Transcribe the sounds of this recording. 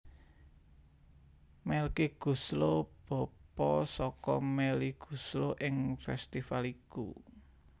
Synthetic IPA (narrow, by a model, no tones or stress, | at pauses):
mɛlkiɡ̥ṳslob̥ɔ̤pɔsɔkɔmɛliɡ̥ṳsloʔɪŋfɛst̪ifalikṵ